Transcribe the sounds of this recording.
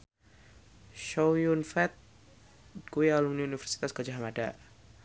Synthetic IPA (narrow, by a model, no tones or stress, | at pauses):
ʃojunfɛt̪̚ | kujaluŋniunifɛrsi̥t̪asɡ̥ad͡ʒaɦamada̰